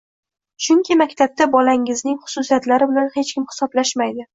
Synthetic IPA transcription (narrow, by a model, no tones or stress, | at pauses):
t͡ʃʰʊŋkʲʰɪmakʲt̪ʰab̚t̪abɒlaŋɪznɪŋχʊ̥sʊsijat̪laɾɪbɪlanhe̞t͡ʃkʲɪmhɪ̥sɒblaʃmajd̪ɪ